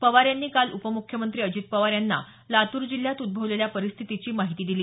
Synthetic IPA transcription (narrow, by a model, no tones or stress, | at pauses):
pəʋaɾjanːiːkalupəmukʰjəmənt̪ɾiːəd͡ʑit̪̚pəʋaɾjanːa̰ | lat̪uːɾd͡ʑil̤jat̪ud̪̚bʱəʋleljapəɾist̪ʰit̪it͡ɕiːmaɦit̪iːd̪iliː